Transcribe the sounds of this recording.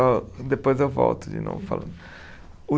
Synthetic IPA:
ɔd̪epojzewvɔ̰wt̪ʊd͡ʒḭnɐ̰̃w̃fa̰lɐ̃ | u

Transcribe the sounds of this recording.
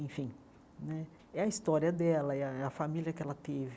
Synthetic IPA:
ẽfĩ | nɛ | ɛɐist̪ɔɾiɐd̪ɛlɐɛɐɐfamiljɐkɛlɐt̪evɪ

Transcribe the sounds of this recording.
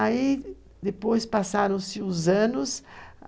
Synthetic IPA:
ai | d̪epojspasaɾɐ̃sɪʊzɐ̃nʊs

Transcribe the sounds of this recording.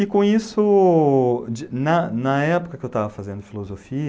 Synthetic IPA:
ɪkõisʊ | d͡ʒnɐnɐɛpo̥kɐkɪewt̪avɐfazẽnd̪ʊfilozofiɐ

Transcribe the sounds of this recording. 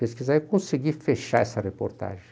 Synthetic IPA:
peskizaikõsiɡifeʃaɛsɐrepo̰ɾt̪a̰ʒẽ

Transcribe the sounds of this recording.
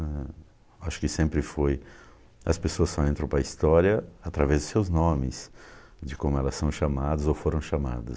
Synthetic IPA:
ɛ | aʃʊ̥kɪsẽmpɾɪfoj | ɐspesoɐsːɔẽnt̪ɾɐ̃w̃pɾɐist̪ɔɾiɐat̪ɾavɛzd̪ʊsewznõmɪsd͡ʒɪkõmʊɛlɐsːɐ̃w̃ʃamad̪ɐzowfoɾɐ̃w̃ʃama̰d̪ɐs

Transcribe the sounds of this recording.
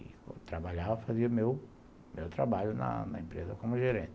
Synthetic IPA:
t̪ɾabaʎavɐfaziɐmew | mewt̪ɾabaʎʊnɐ̰nɐ̰ẽmpɾezɐkõmʊʒeɾẽnt̪

